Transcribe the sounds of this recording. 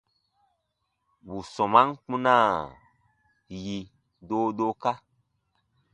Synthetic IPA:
bu˨sɔ̃˨ma˦ŋk͡pũ˦nã˦˨ | ji˧ | doː˦do˦ka˦

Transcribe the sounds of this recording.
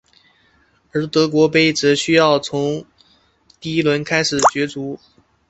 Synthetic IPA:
ə˞˧˥t̪ɤ˧˥k̬wɔ˧˥pe˥˩ɪt͡s̩˨˥ɕy˥jɑ˥˩ʊt͡sʰʊ˧˥ŋ | t̪i˥˩i˥lwə˧˥nkʰa˥ɪʂɻ̩˨˩t͡ɕɥɛ˧˥t͡su˧˥

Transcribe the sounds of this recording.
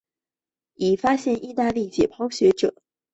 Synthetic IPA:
i˨˩fa˥ɕjɛ˥˧nʔi˥˧t̪a˥˧li˥˩t͡ɕjɛ˨˩pʰɑ˥ʊɕɥɛ˧˥ʈ͡ʂɤ̰˨˩˦

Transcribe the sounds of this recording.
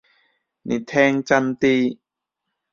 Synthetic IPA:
nḭ˨˩t̪ʰɛː˦˧ŋt͡ɕa˧˥mt̪iː˧

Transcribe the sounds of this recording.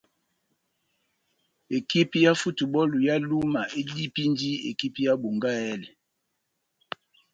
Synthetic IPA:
e˨ki˦pi˦ja˦fu˦tu˨bɔ˦lu˨ja˦lu˦ma˨e˦di˦pi˦ndi˦ḛ˨ki˦pi˦ja˦bu˨ŋɡa˦ɛ˦lɛ˨

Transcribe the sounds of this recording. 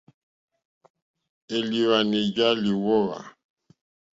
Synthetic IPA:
e˨li˨ɾa˨ne˨d͡ʒa˦li˨wɔ˦ɾa̰˨

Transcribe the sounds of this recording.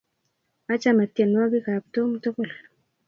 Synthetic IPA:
a˦t͡ʃa˦ma˨tje˨nwa˦ɡi˦ka˨p̚to˦mto˦ko˨l

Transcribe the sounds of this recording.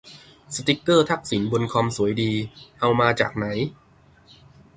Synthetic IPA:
sa˧t̪i˦˥kːɤː˥˩t̪ʰa˦˥˩k̚si˩˦nbo˧nkʰɔ˧msu˩˦jdiː˧ʔa˧wmaː˧t͡ɕa̰ː˨˩k̚na˩˦j

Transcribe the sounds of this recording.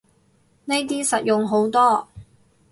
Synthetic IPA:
ne˥jt̪̬iː˥sɐ˨t̚jʊ˨ŋɦo˨˥wt̪ɔː˥

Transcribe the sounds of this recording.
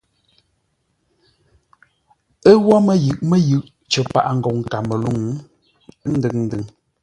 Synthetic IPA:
ə˦wɔ˦mə˦jɯ˨ʔmə˦jʉ˨ʔ | t͡ʃə˨pa̰˨ʔa˨ŋ̩˨ɡɔ˨ŋ˨ka˨mə˨lu˦ŋ˦ | n̩˦dɨ˨ŋn̩˦dɨ˨ŋ

